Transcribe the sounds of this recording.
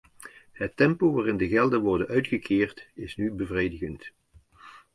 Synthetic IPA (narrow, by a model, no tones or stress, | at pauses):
ɦətːɛmpoʋaːrɪndəɣɛlˠdənʋɔɹdənœɥtχəkʰɪːrtɪsnybəvrejdəɣənt